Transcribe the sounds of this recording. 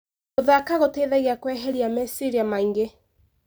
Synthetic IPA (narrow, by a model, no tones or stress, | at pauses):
oðakaɣoteːðɛɣeakwɛɦeɾiamɛsiɾiamaiŋɡe